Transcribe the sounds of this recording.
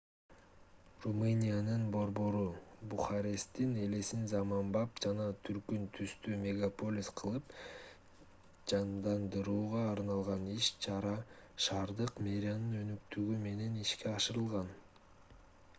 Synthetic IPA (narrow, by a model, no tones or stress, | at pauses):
rumɨnʲijanɯnbo̞ɾbo̞ɾubuχaɾʲe̞st̪ine̞le̞sinzɑmɑmbɑpd͡ʒɑnɑt̪ʰyɾkynt̪ʰyst̪yːmʲe̞ɡapo̞lʲisqʰɯlˠɯp | d͡ʒɑmd̪ɑnd̪ɯɾuːʁɑːɾnɑlˠʁɑniʃt͡ʃʰɑɾɑʃɑːɾd̪ɯqmʲe̞ɾʲɪjanɯnø̞nykt̪yɡyme̞ne̞niʃke̞ɑʃɯɾɯlˠʁɑn